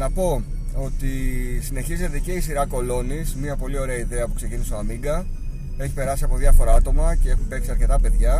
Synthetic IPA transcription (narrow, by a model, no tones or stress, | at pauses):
nɐpo̞o̞t̪isine̞çize̞t̪ece̞isiɾɐko̞lo̞nismiɐpo̞lio̞ɾe̞ɐiðe̞ɐpu̥kse̞ciniseoɐmiŋɡɐ | e̞çi̥pe̞ɾɐsiɐpo̞ðʝɐfo̞ɾɐɐt̪o̞mɐce̞xube̞kseɐɾce̞t̪ɐpe̞ðʝɐ